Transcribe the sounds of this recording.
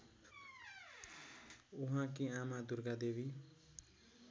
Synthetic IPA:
uɦãkiamad̪urɡad̪ebi

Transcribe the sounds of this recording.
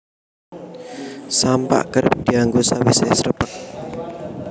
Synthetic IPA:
sampa̰ʔkər̚d̪̥iaŋɡosawesɛsəɾəpək̚

